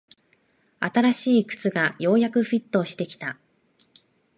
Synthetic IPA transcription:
at̪aɾaɕiːkɯ̥t͡sɨɡajo̞ːjakɯ̟ɸʲit̪ːo̞ːɕi̥t̪e̞kʲi̥t̪a

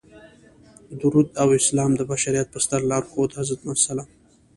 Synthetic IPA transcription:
d̪uɾud̪awɪslɑːmd̪əbaʃaɾijat̪̚pəst̪aɾlɑɾxod̪hazat̪mansala

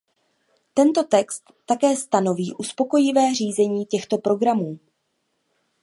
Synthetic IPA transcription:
t̪ɛnt̪o̞t̪ɛkst̪ːakɛːst̪ano̞viːʔuspo̞ko̞jɪvɛːr̝iːzɛɲiːcɛxt̪o̞pɾo̞ɡɾamuː

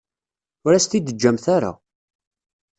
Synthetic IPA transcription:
ʊɾæst̪id̪əd͡ʒːæmθaɾa̰

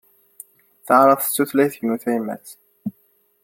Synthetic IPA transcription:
θəʕɾˤəðˤθə̥t͡sːuθlæjθəɡnuθæmæ̰t͡s

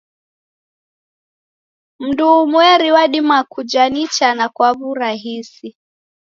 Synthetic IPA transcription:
m̩duːmwɛɾiwaɗimakud͡ʒanit͡ʃanakwaβuɾaɦisi

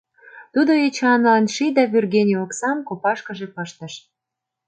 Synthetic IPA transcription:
t̪ud̪oet͡ɕɑnlɑnʃid̪ɑβʲyrɣenʲioksɑmkopɑʃkə̆ʒepəʃt̪ə̆ʃ

